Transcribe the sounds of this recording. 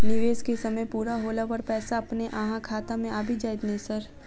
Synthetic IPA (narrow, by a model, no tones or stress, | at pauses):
nɪʋeːskesɐməjpuːɾaɦoːlapəɾpɛːsaɐpneʔaːɦãkʰaːt̪amẽaːbʱid͡ʒaːjd̪nɐĩsɐɾ